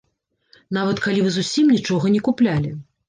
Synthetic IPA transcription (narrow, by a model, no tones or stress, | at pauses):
navɐt̪kalʲivɨzusʲimnʲit͡ʂɔɣɐnʲikuplʲalʲi